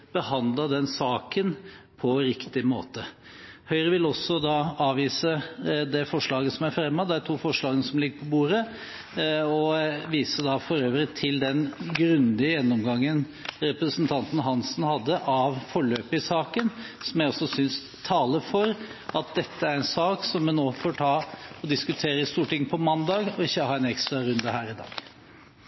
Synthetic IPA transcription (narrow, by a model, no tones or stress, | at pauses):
b̥əhɑnd̪ləd̪ɛnsɑːkənpʰɔɾɪkt̪ɪmo̰ːt̪əhœʏɾəʋɪlɔsɔd̪ɑɑːʋiːsəd̪ɛfɔʂɭɑːɡəsɔmæɾfɾɛmːɑd̪ɛæt̪ʰuːfɔʂɭɑːɡənəsɔmlɪɡːəpʰɔbuːɾə | ɔʋiːsəd̪ɑfɔɾøːʋɾɪt̪ʰɪld̪ɛnɡɾʉnd̪ɪəjɛnːɔmɡɑŋːən | ɾɛpɾəsənt̪ʰɑnt̪n̩ɦɑnsnhɑd̪ːəʔɑʋfɔɭøːpəɪsɑːkənsɔmjæɪɔsːɔsʏns | t̪ʰɑːləɾfɔɾ | ɑt̪̚d̪ɛt̪ːəæɾɛnsɑːksɔmːɛnːoːfoːʈʰɑːɔd̪ɪskʉt̪ʰeːɾəɪst̪uːʈɪŋːpʰɔmɑnd̪ɑːɡɔɪçːəhɑːɛnɛkst̪ɾɑɾʉnd̪əhæːɾɪd̪ɑ̰ːɡ̥